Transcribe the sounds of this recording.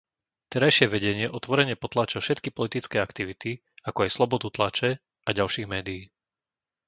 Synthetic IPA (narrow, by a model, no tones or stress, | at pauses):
t̪ɛɾajʃɪɛʋɛɟɛɲɪɛʔɔt̪ʋɔɾɛɲɪɛpɔt̪laːt͡ʃɛfʃɛt̪kipɔlit̪it͡skɛːakt̪iʋit̪i | akɔajslɔbɔd̪ut̪lat͡ʃɛ | ʔaɟalʃiːɣmɛːd̪ijiː